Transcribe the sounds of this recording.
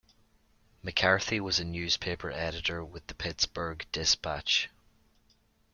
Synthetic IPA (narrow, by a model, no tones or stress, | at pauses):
məkʰaɹθiwʌzənjʉːz̥pʰepʰə˞ʔɛɾɪʔə˞wɪðəpʰɪtsb̥ə˞ɡd̥ɪspat͡ʃ